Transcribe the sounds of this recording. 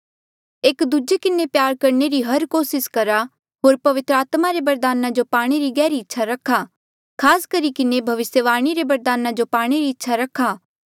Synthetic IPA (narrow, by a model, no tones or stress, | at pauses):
eːkd̪ud͡ʒekɪnepjaːɾkɐɾneɾiɦɐɾkoːsɪskɐɾa | ɦoːɾpɐʋɪt̪ɾəaːt̪maɾebɐɾd̪aːnad͡ʒopaːɽ̃eɾiɡɛːɾiɪtːʃʰaɾɐkʰːaː | kʰaːskɐɾikɪnebʱɐʋɪsjəʋaːɽ̃iɾebɐɾd̪aːnad͡ʒopaːɽ̃eɾiɪtːʃʰaɾɐkʰːaː